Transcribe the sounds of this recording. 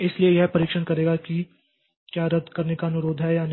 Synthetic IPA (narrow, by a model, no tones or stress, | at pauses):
ɪsliejɛɦpɐɾiːkʃənkɐɾeːɡaki | kjaːɾəd̪kɐɾnekaɐnʊɾoːd̪ʱɦɛjaːn